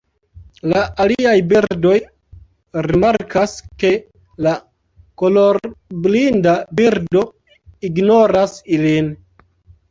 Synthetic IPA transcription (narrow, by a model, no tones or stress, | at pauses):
laʔaliajbiɾdo̞j | ɾimaɾkʰaske̞ | la | ko̞loɾblindabiɾdo̞ | iɡnoɾasilin